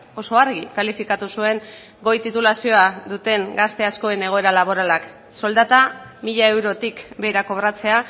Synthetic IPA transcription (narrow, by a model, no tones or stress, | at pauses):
o̞so̞aɾɣikalifikat̪usue̞ŋ | ɡo̞jt̪it̪ulasio̞aðut̪e̞ŋɡast̪e̞asko̞e̞ne̞ɣ̞o̞e̞ɾalaβ̞o̞ɾalak | so̞ld̪at̪amiʎae̞wɾo̞t̪ikbe̞jɾako̞βɾat͡se̞a